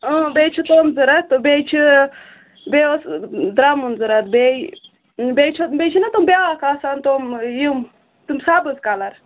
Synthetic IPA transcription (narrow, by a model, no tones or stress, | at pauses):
əbejt͡ʃʰit̪omzɨɾɐt̪ːbejt͡ʃʰi | beosd̪ɾamunzɨɾɐt̪bej | bejt͡ʃʰobet͡ʃʰinɐt̪umbʲakaːsant̪omjim | t̪umsabɨzkalɐɾ